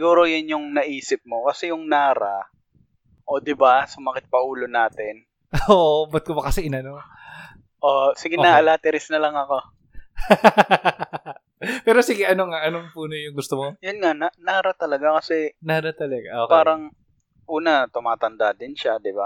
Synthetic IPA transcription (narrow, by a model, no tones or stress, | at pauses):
ɪɡuːɾo̞jɐnjʊŋnɐʔiːsɪp̚mo̞kɐsɛjʊŋnaːɾa | ʔo̞ːd̪ɪbasʊmɐkɪt̪̚pɐʔuːlo̞naːt̪ɪn | ʔoːʔobɐt̪̚kobɐkɐsɛɪnɐno | ʔosɪɡɪnaʔɐlaːt̪ɪɾɪsnɐlɐŋɐko̞ | pɛːɾosiɡɛɐno̞ŋaʔɐnoŋpuːnojʊŋɡʊst̪omojʊnŋananaːɾɐt̪ɐlɐɡakɐsɛnaːɾɐt̪ɐlɐɡaʔokpaːɾɐŋ | ʔuːnɐt̪ʊmaːt̪ɐnd̪ad̪ɪnʃad̪ɪba